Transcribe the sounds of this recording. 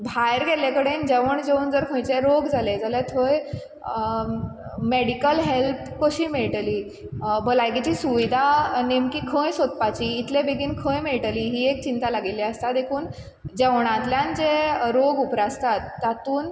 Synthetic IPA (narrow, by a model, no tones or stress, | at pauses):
bʱajɾɡɛlakəɽend͡ʑeʋəɳd͡ʑeuːnd͡zəɾkʰə̃jt͡ɕeɾoɡd͡zaled͡zalet̪ʰoj | meɽikəlɦelp | kəɕiːmeɭʈəliː | bʱəlajɡit͡ɕiːsuʋid̪ʱanemkiːkʰə̃jsot̪pat͡ɕiːt̪lebeɡʱiːnkʰə̃jmeɭʈəliːɦiːek̚t͡ɕint̪alaɡileəst̪at̪ekʰuːn | d͡ʑeʋɳ̃ãt̪ljãnt͡ɕeɾoɡupɾaəst̪at̪ːat̪uːn